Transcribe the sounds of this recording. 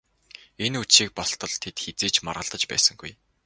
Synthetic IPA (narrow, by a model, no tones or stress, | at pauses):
enut͡ɕʃiːk̚pɔɬt̪ɞ̆ɮt̪ʰet̪xet͡seːt͡ɕma̰rʁə̆ɮt̪ə̆t͡ɕpæ̰ːsə̆ŋɡuj